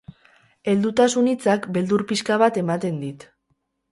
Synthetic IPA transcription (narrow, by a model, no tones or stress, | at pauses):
e̞ld̪ut̪asunit͡sakbe̞ld̪uɾpiskaβat̪e̞mat̪e̞nd̪it̪